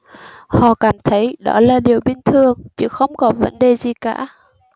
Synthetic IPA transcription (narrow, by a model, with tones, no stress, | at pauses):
hɔ̰˧˨kaː˧˩mt̪ʰə˨˦jɗɔ˧˨˦laː˨˩ɗi˨˩əwɓi˧˩nt̪ʰɨ˨˩əŋt͡ɕɨ̰˧˦˥xə˧wŋ͡mkɔ˨˦və̰˧˦nɗe˨˩zi˨˩ka̰ː˧˩˦